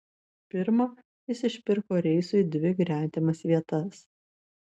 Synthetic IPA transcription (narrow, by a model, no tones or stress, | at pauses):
pʲɪɾmoː | ɪsʲɪʃʲpʲɪɾkoːɾʲɛɪsʊɪd̪ʲʋʲɪɡɾʲæːt̪ʲɛmɐsʋʲiɛt̪ɐs